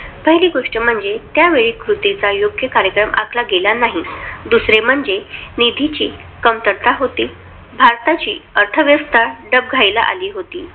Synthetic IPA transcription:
pəɦiliːɡoʂʈəm̤əɳd͡zet̪jaʋeɭiːkɾut̪it͡sajoɡjəkaɾjəkɾəmʔa̰kʰlaɡelanaɦid̪usɾem̤əɳd͡zenid̪ʱit͡ɕiː | kəmt̪əɾt̪aɦot̪iː | bʱaɾt̪at͡ɕḭːəɾt̪ʰəʋjəst̪ʰaɾɖəb̚ɡʱajla̰ʔa̰liːɦot̪ḭː

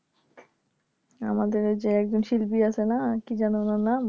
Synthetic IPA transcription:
a̰mad̪eɾd͡ʑeɛk̚d͡ʑonʃilpiat͡ɕʰenakid͡ʑanonana

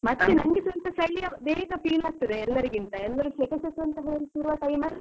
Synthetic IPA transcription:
mɐt̪ːɐlinɐŋɡit̪uɐnt̪ɐsɐjlijɐɐneːkɐpiːlaːk̚t̪id̪eɛlːɐɾiɡint̪ɐɛlːɐɾuʃekɐsɐt̪ːuɐnt̪ɐɦɐːlsuɾuʋaːʈɐjmɐɾ

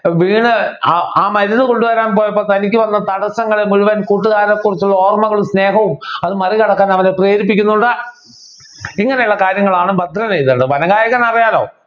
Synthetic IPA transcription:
ʋiːɳɨaːmɐɾunːɨko̞ɳɖuʋɐɾaːnpo̞ːjɐp̬ːoːt̪ɐnikʲːɨʋɐnːɐt̪ɐɽɐsɐŋːɐɭemiɻuʋɐnkuːʈ̬ːuɣaːɾɐkːurit͡ɕːuɭːɐo̞ːrmɐŋːɐɭumsne̞ːɦɐʋumɐðɨmɐrikɐɽɐkːaːnɐʋɐnepreːɾipːikʲːunːuɳɖɨ | iŋːɐne̞juɭːɐkaːɾjɐŋːɐɭaːɳɨbɐd̪ʱɾɐnejðɐɳɖɨʋɐnɐɡaːjɐɣɐnɐrijaːlo̞̰ː

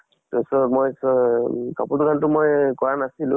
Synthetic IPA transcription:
tɔsɔmojsɔkapudukantʊmojkɔɹanasilʊ̰̃

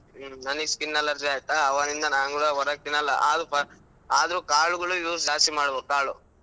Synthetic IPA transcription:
nɐnɐskinːɐlːɐɾd͡ʒaːjt̪ːaːʋaːnind̪ɐnaːŋɡuɽɐɦɔɾɐk̚t̪inːɐlːɐ̰aːd̪pɐ | aːd̪ɐɾukaːɭuɡɐɭuiʋɾud͡ʒaːsimaːɽubokaːɭu

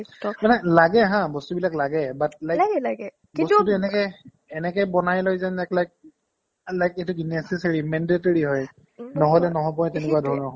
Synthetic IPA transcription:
stɔmanɛlaɡɛɦãbɔstubilaklaɡɛbat̚lajɡlaɡɛ | bɔstutʊɛnɛkɔj | ɛnɛkɔjbɔnajlojzanɛklajk̚ | lajketuɡnɛsɛsaɹimɛndetɔɹiɦɔj | nɔɦɔlɛnɔɦɔ̃p̬ɔ̃jtɛnɛkuwadʱɔɹnɔɦɔ

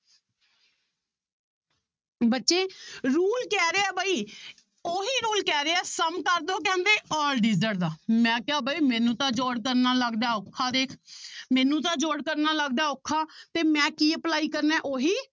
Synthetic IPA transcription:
bətːʃeːɾuːlkɛːɾeːɛːbaːiː | oːɦiːɾuːlkɛːɾeːɛːsəmkəɾd̪õːk̬ɛ̃ːnd̪eːɔːlɖiːzəʈd̪aːmɛ̃ːkɪaːbʱaːiːmɛ̃ːnũːt̪ãːd͡ʒoːɽkəɾnaːləɡd̪aːokʰːaːd̪eːkʰmɛ̃ːnũːt̪ãːd͡ʒoːɽkəɾnaːləɡd̪aːokʰːaːt̪eːmɛ̃ːkiːəplaːiːkəɾnɛ̃ːʔoːɦiː

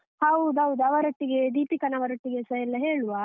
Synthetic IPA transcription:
hɐwud̪uɦɐwud̪uɐʋɐɾɐʈːiɡed̪iːpikɐnɐʋɐɾɐʈːiɡesɐjɛlːɐɦeːɭuʋa

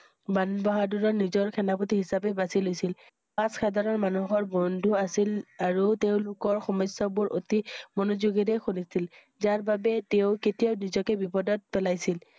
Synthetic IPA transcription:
banbɔɦaduɹɔɹnizɔɹkʰɛnaputiɦisapɛbasilojsil | pasxʰadaɹɔɹmanuxɔɹbɔndʱuasilaɹuteʊ̃lʊkɔɹxɔmɔjsːɔbʊɹo̰timɔnozuɡitɛxunisil | zaɹbabɛteʊketiaʊnizɔkɛbipɔdɔt̚pɛlajsil

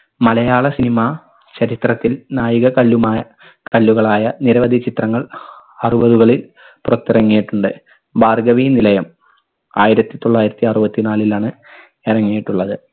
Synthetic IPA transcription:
mɐlɐjaːɭɐsinimɐ | t͡ɕɐɾit̪rɐt̪ːilnaːjiɣɐkɐɭːumː | kɐɭːuɣɐɭaːjɐniɾɐʋɐd̪ʱit͡ɕit̪rɐŋːɐɭ | ɐrubɐðuɣɐɭil | purɐt̪ːirɐŋːijiʈːuɳɖɨ | baːrɡɐʋiːnilɐjɐm | aːjiɾɐt̪ːit̪o̞ɭːaːjiɾɐt̪ːiɐrubɐt̪ːinaːlilaːɳɨ | irɐŋːijiʈːuɭːɐðɨ

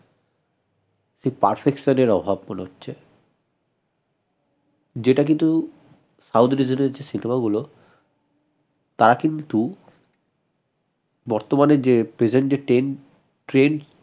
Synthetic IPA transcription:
ʃepaɾfekʃoneɾɔbʱab̚moneɦotːɕʰe | d͡ʑeʈak̬int̪u | sawt̪ɾid͡ʑoneɾd͡ʑesinemaɡulo | t̪aɾakint̪u | bɔɾt̪omaned͡ʑepɾed͡ʑend͡ʑeʈen | ʈɾen

